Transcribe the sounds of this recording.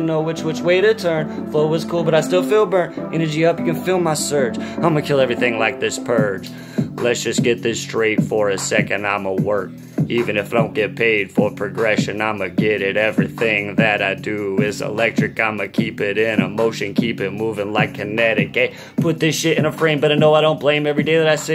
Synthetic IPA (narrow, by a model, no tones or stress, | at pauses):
noʊwɨt͡ʃwɨt͡ʃweɪɾɨtʰɜ̃˞nfloʊwʌz̥kʰulˠbʌɾaɪstɪlˠfilˠbɜ̃˞nɛnə˞d͡ʒiʌpjɨkɨ̃nfɪlˠmaɪsɜ˞d͡ʒãɪ̃mɨkʰɪlˠɛvɹiθɪ̃ŋlaɪk̚ðɪspʰɜ̥˞d͡ʒ̥ | lɨtsd̥ʒ̥ʌsɡ̥ɛt̪̚ðɪstɹ̥eɪtfə˞ɨsɛkɨ̃ndãɪ̃məwɜ˞k̚ | ivɨ̃nɨfdõʊ̃nɡ̥ɛt̚pʰeɪd̥fə˞pʰɹ̥ɨɡɹɛʃɨ̃nãɪ̃mɨɡɪɾɪɾɛvɹiθɪ̃ŋðɨɾaɪdɨɪzsɪ̰lɛk̚tɹ̥ɨkãɪ̃mɨkʰipɪɾɪ̃nəmoʊʃɨ̃nkʰipɨt̚muvɪ̃ŋlaɪkʰɨnɛɾɨkeɪ | pʰʊt̪̚ðɪsʃɪɾɨ̃ñɨfɹẽɪ̃nmbʌɾãɪnoʊaɪɾõʊ̃nb̥lẽɪ̃mɛvɹideɪðɨɾaɪsi